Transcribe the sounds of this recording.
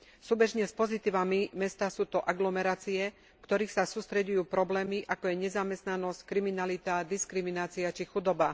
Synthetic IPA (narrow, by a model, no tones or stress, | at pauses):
suːbɛʒɲɛspɔzit̪iːʋamimɛst̪aːsuːt̪ɔʔaɡlɔmɛɾaːt͡siɛ | kt̪ɔɾiːxsasuːst̪ɾɛɟujuːpɾɔblɛːmiʔakɔjɛɲɛzamɛst̪nanɔsckɾiminalit̪ad̪iskɾiminaːt͡siat͡ʃixud̪ɔba